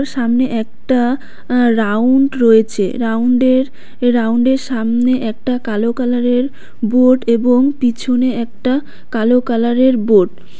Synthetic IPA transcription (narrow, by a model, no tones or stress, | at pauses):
ɾʃamneʔɛk̚ʈa | ɾawɳɖɾoet͡ɕʰḛɾawɳɖeɾ | ɾawɳɖeɾʃamneʔɛk̚ʈakalokalaɾeɾ | boʈeboŋpit͡ɕʰoneɛk̚ʈa | kalokalaɾeɾboʈ